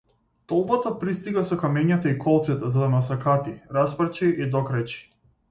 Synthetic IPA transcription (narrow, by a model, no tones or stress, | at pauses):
t̪ɔlˠbɔt̪ɔpɾist̪iɡasɔkamɛɲat̪aikʰɔlˠt̪sɛt̪ɛzad̪anasakat̪iɾasprt͡ʃiʔid̪ɔkɾajt͡ʃi̥